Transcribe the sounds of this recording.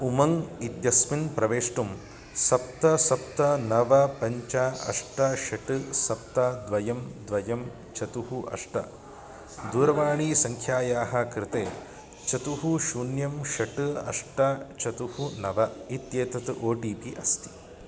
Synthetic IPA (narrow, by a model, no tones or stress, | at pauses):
umɐŋit̪jɐsminpɾɐʋeːʂʈum | sɐp̚t̪ɐsɐp̚t̪ɐnɐʋɐpɐɲt͡ʃaɐ̰ʂʈɐʃɐʈɨsɐp̚t̪ɐd̪ʋɐjɐmd̪ʋɐjɐm | t͡ʃɐt̪uhuʔɐ̰ʂʈɐ̰ | d̪uːɾɐʋaːɳiːsɐŋkʰjaːjaːɦɐkɾɪt̪eː | t͡ʃɐt̪uɦuʃuːnjɐmʃɐʈɨɐ̰ʂʈɐt͡ʃɐt̪uhunɐʋɐit̪jeːt̪ɐt̪ʔoːʈiːpiʔɐst̪i̥